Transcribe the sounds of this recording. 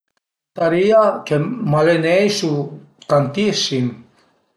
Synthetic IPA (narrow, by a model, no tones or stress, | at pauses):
t̪aɾiakemalenejsu | kant̪isin